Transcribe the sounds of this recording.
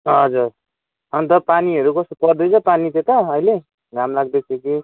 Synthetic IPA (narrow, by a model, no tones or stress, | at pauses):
ɦʌd͡zuɾ | ʌnt̪ʌpaniʌɾukʌsopʌrd̪ʌjt͡sʰʌpanit͡sʌ̃t̪ʌʌjle | ɡʱamlaɡd̪ʌt͡sʰʌki